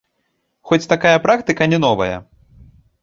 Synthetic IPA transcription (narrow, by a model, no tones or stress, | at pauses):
xɔt͡sʲt̪akajɐpɾakt̪ɨkɐnʲɛnɔvɐ̰jɐ̰